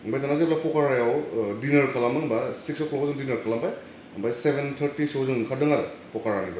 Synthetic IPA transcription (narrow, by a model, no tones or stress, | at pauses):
ŋbajt̪anazelapɔkaɾajawdinɐɾkʰalamɯmbasiksɔklɔkzɯŋdinɐɾkʰalambaj | ŋbajsebʱent̪ʰəɾtisozɯŋkʰadɯŋaɾɯ | pɔkaɾaniba